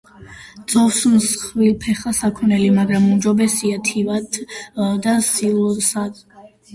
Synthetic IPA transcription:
d̪z̥ɔfsmsχvilpʰɛχasakʰɔnɛlimaɡɾamumd͡ʒɔbɛsiat̪ʰivat̪ʰd̪asilɔsad̪̥

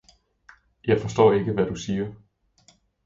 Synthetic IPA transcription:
jɑ̈ɪfɒ̽sd̥ɔ̰ːe̝ɡ̥əʋæd̥usiːɐ

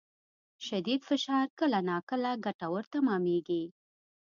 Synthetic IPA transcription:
ʃad̪id̪fɪʃɑɾkəlanɑkəlaɡaʈawəɾt̪amɑmeɡi

